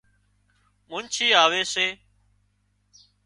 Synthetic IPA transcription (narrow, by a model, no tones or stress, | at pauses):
mʊnt͡ʃʰiːaːʋeːseː